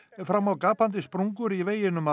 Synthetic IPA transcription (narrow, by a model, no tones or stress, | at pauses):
fɾamːawkaːpant̪ɪspɾuŋkʏɾiveːjɪnʏma